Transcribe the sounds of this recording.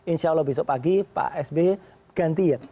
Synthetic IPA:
inʃalɔbis̬ɔpaɡipa̰ʔɛsbe | ɡ̥ant̪ia

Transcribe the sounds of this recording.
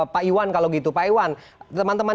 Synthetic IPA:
paiwankaloɡit̪upaiwant̪əmant̪əman

